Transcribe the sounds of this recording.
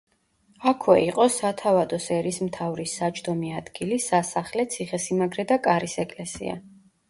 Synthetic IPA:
akʰwɛiqʼɔsat̪ʰavad̪ɔsɛɾismt̪ʰavɾisːat͡ʃʰʼd̪ɔmiad̪̥ɡilisasaχlɛt̪sʰiχɛsimaɡɾɛd̪akʼaɾisɛkʼlɛsḭa̰

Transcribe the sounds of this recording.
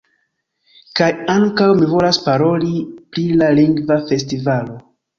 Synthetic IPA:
kajaŋkawmivo̞laspaɾo̞lipɾilaliŋɡvafe̞stivalo̞

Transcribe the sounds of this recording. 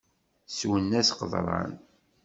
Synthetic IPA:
swənːæsqəðˤɾˤɑ̰n

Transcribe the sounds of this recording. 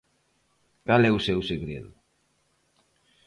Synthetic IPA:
kalɛusewseɣɾḛðu

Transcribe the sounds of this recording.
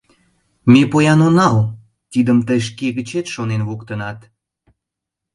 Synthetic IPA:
mepojɑnonɑl | t̪id̪əmt̪əjʃ̬keɣət͡ɕet̪ʃonenβokt̪ənɑt̪

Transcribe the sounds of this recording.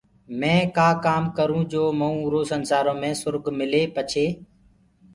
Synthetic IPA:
mẽːkaːkaːmkəɾũːd͡ʒoːməũːɾoːsənsaːɾõːmẽːsʊɾɡmɪleːpət͡ʃʰeː

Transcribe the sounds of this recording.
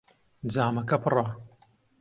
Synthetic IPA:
d͡zaːmɐkɐpɨrˤɑ

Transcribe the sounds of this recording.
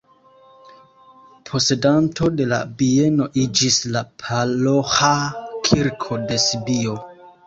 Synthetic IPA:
pʰo̞se̞danto̞de̞la̰bie̞no̞ʔid͡ʒislapʰalohakʰiɾkʰo̞de̞sibio̞

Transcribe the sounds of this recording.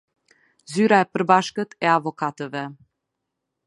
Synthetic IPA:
zyɾaɛpəɾbaʃkət̪ɛavɔkat̪əvɛ

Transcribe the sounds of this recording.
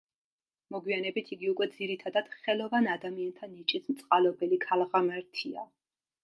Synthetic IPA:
mɔɡwianɛbit̪ʰiɡiukʼwɛd̪ziɾit̪ʰad̪ad̪̥χɛlˠɔvanad̪amiant̪ʰanit͡ʃʼismt̪sʼqʼalɔbɛlikʰalˠʁamɛɾt̪ʰia̰

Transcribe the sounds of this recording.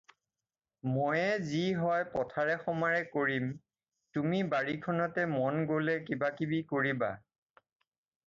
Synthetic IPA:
mɔjɛziɦɔjpɔtʰaɹɛxɔmaɹɛkoɹim | tumibaɹikʰɔnɔtɛmɔnɡolɛkibakibikoɹiba̰

